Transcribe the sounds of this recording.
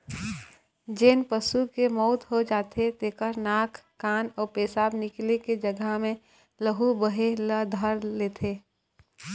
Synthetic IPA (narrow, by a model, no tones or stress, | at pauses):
d͡ʒeːnpəsukemɔːt̪ɦod͡ʒaːt̪ʰet̪eːkəɾnaːkʰːaːnɔːɾpeːsaːbnɪkleked͡ʒəɡəɦmẽ | ləɦubəɦeləd̪ʱəɾleːt̪ʰeː